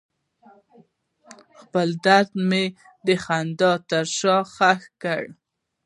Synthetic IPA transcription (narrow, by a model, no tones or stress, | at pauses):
xpəld̪aɾd̪me | d̪əxand̪ɑt̪əɾʃɑxaxkəɽ